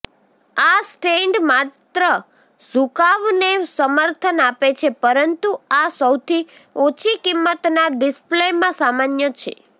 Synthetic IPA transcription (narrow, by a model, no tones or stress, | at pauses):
asʈeɳɖmat̪ɾə | sukaʋnesəməɾt̪ʰənapet͡ʃʰepəɾənt̪uasəwt̪ʰi | ot͡ʃʰikimːət̪naɖɪsplemãsamanjət͡ʃʰḛ